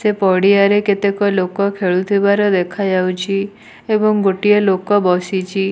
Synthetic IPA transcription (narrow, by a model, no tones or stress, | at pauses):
sepɔɽiaɾeket̪ekɔlokɔkʰeɭut̪ʰibaɾɔd̪ekʰad͡ʒawt͡ʃʰi | ebɔŋɡoʈijɔlokɔbɔsit͡ʃʰi